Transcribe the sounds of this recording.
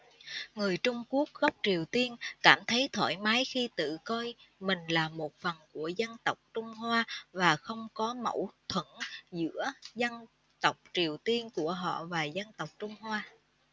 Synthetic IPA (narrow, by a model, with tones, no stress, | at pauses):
ŋɨ˨˩əjt͡ɕʊ˧ŋ͡mku˦˥ək̚ɣɔ˦˥wk͡p̚t͡ɕi˨˩əwt̪i˧ənkaː˧˩mt̪ʰə˨˦jt̪ʰo̰˧˩jmaː˨˦jxi˧t̪ɨ̰˧˨kɔ˧jmï˨˩ŋ̟laː˨˩mo˨˩t̚fə˨˩nku˧˩əzə˧nt̪ə˨˩wk͡p̚t͡ɕʊ˧ŋ͡mɦwaː˧vaː˨˩xə˧wŋ͡mkɔ˨˦mə̰˧˩wt̪ʰwə˧˩nzɨ̰˧˥əzə˧n | t̪ə˨˩wk͡p̚t͡ɕi˨˩əwt̪i˧ənku˧˩əɦɔ̰˧˨vaː˨˩zə˧nt̪ə˨˩wk͡p̚t͡ɕʊ˧ŋ͡mɦwaː˧